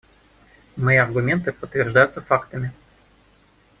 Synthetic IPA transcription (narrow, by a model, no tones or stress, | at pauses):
mɨiɐrɡʊmʲe̞nt̪ɨpət̪ːvʲɪrʐd̪ajʊt̪səfakt̪əmʲɪ